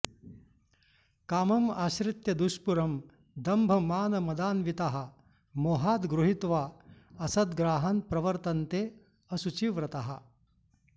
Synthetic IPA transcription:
kaːmɐmaːʃɾɪt̪jɐd̪uʃpuɾɐm | d̪ɐmbʱɐmaːnɐmɐd̪aːnʋit̪aɦɐ̆ | moːɦaːt̪ɡɾuɦit̪ʋaː | ɐsɐd̪ɡɾaːɦanpɾɐʋɐɾt̪ɐnt̪eː | ɐsut͡ʃiʋɾɐt̪aɦɐ

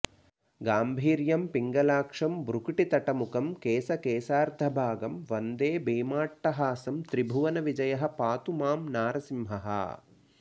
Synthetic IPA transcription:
ɡaːmbʱiːɾjɐmpiŋɡɐlaːkʂɐmbɾukʈit̪ɐʈɐmukɐmkeːsɐkeːsaːɾd̪ʱɐbʱaːɡɐmʋɐnd̪eːbeːmaːʈːɐɦaːsɐmt̪ɾibʱuʋɐnɐʋid͡ʒɐjɐɦɐ̆paːt̪umaːmnaːɾɐsimɦɐɦɐ̰

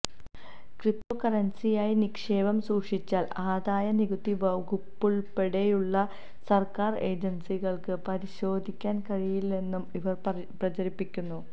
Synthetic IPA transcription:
krip̚t̪oːkɐrɐnsijaːjinikʂeːʋɐmsuːkʂit͡ɕːaːlaːd̪aːjɐniɣut̪ːiʋɐɡupːuɭpeɽejuɭːɐ | sɐrkaːre̞ːd͡ʑɐnsiɣɐɭkɨpɐɾiɕo̞ːd̪ʱikʲːaːnkɐɻijilne̞nːumiʋɐr | prɐt͡ɕɐɾipːikʲːunːu

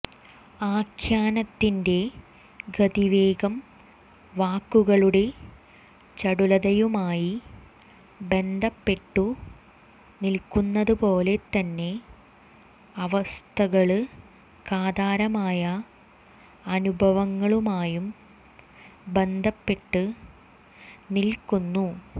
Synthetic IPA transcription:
aːkʰjaːnɐt̪ːinde̞ | ɡɐd̪iʋe̞ːɡɐm | ʋaːkːuɣɐɭuɽe̞ | t͡ɕɐɽulɐðɐjumaːji | be̞nd̪ʱɐpːe̞ʈːu | nilkunːɐðɨpo̞ːle̞t̪ːɐnːe̞ | ɐʋɐst̪ʰɐɣɐɭɨ | kaːd̪aːɾɐmaːjɐ | ɐnubʱɐʋɐŋːɐɭumaːjum | be̞nd̪ʱɐpːe̞ʈːɨ | nilkunːu

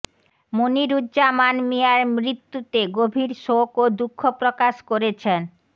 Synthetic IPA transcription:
moniɾudamanmijaɾmɾit̪ːut̪eɡobʱiɾʃokod̪ukʰːopɾokaʃkoɾet͡ɕʰen

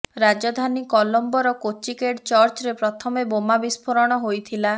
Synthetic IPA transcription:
ɾad͡ʒɔd̪ʱanikɔlɔmbɔɾɔkot͡ʃikeʈt͡ʃɔɾt͡ʃɔɾepɾɔt̪ʰɔmebomabispʰoɾɔɽ̃ɔɦojt̪ʰila

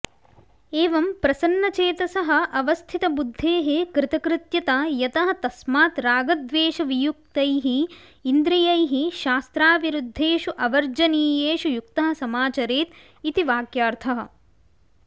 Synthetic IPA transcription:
eːʋɐmpɾɐsɐnːɐt͡ʃeːt̪ɐsɐɦɐ̆ʔɐʋɐst̪ʰit̪ɐbud̪ʱːeːɦekɾɪt̪ɐkɾɪt̪jɐt̪ajɐt̪ɐɦɐ̆t̪ɐsmaːt̪ɾaːɡɐd̪ʋeːʃɐʋijuk̚t̪ɐjɦiː | nd̪ɾijɐjɦiʃaːst̪ɾaːʋiɾud̪ʱːeːʃuʔɐʋɐɾd͡ʒɐniːjeːʃujuk̚t̪ɐɦɐ̆sɐmaːt͡ʃɐɾeːt̪ | it̪iʋaːkjaːɾt̪ʰɐɦɐ̆

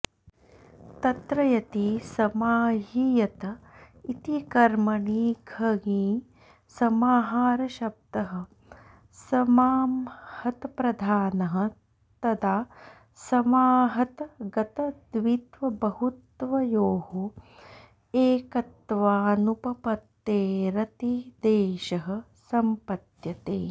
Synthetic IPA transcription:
t̪ɐt̪ɾɐjɐt̪isɐmaːɦijɐt̪ɐ | it̪ikɐɾmɐɳiːɡʱɐɡiː | sɐmaːɦaːɾɐʃɐb̚d̪ɐɦɐ̆ | sɐmaːmhɐt̪ɐpɾɐd̪ʱaːnɐɦɐ̆ | t̪ɐd̪aː | sɐmaːɦɐt̪ɐɡɐt̪ɐd̪ʋit̪ʋɐbɐhut̪ʋɐjoːhu | eːkɐt̪ʋaːnupɐpɐt̪ːeːɾɐt̪id̪eːʃɐɦɐ̆ | sɐmpɐt̪jɐt̪eː

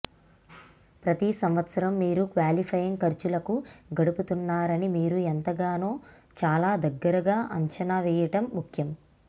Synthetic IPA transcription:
pɾɐt̪isɐmʋɐt̪sɐɾɐmːiːɾukʋaːlipʰɐjɐŋkɐɾt͡ʃulɐkuɡɐɽuput̪unːaːɾɐnimiːɾuent̪ɐɡaːnoː | t͡ʃaːlaːd̪ɐɡːɐɾɐɡaːʔɐ̰ɲt͡ʃɐnaʋɛːjɐʈɐmːukʰjɐm

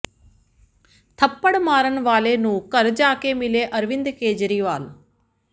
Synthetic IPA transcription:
t̪ʰɐpːəɽmaːɾənʋaːleːnũkɐɾd͡ʒaːkemɪleːʔɐɾʋɪnd̪keːd͡ʒɾiːʋaːl

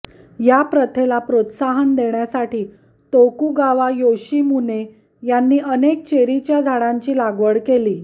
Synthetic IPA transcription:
japɾət̪ʰelapɾot̪saɦənd̪eɳjasaʈiː | t̪okuɡaʋajoɕiːmune | janːiːʔənek̚t͡ɕeɾit͡ɕjad͡zʱaɽãɲt͡ɕiːlaɡʋəɽkeliː

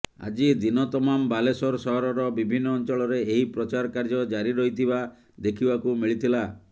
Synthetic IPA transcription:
a̰d͡ʒid̪inɔt̪ɔmambalesɔɾɔsɔɦɔɾɔɾɔbibʱinːɔːnt͡ʃɔɭɔɾeeɦipɾɔt͡ʃaɾɔkaɾd͡ʒɔd͡ʒaɾiɾɔɦit̪ʰiba | d̪ekʰibakumiɭit̪ʰila

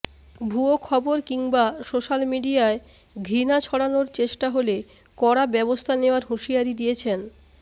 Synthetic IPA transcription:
bʱuokʰɔboɾkiŋbasoʃalmiɖiae | ɡʱɾinat͡ɕʰɔɽanoɾt͡ɕeʃʈaɦole | kɔɽabɛbost̪ʰaneoaɾɦuʃiaɾid̪iet͡ɕʰen

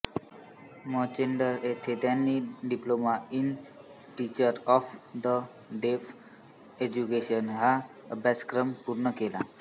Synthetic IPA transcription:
mɔt͡ɕeɳɖəɾet̪ʰet̪janːiɖiplomain | ʈit͡ɕəɾɔfd̪ə | ɖef | ed͡ʑukeɕənɦa | əbʱjaskɾəmpuɾɳəkela

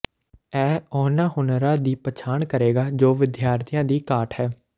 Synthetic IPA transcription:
ɛːɔːnãːɦʊnɾãːd̪iːpət͡ʃʰaːɳkəɾeːɡaːd͡ʒoːʋɪd̪jaːɾt̪ʰijãːd̪iːkaːʈhɛː

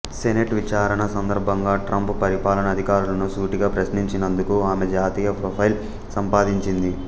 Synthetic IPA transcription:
seneʈʋit͡ʃaːɾɐɳɐsɐnd̪ɐɾbʱɐŋɡaːʈɾɐmppɐɾipaːlɐnɐd̪ʱikaːɾulɐnusuːʈiɡaːpɾɐsniɲt͡ʃinɐnd̪ukuaːmed͡ʒaːt̪iːjɐpɾoːpʰɐjl | sɐmpaːd̪iɲt͡ʃind̪i

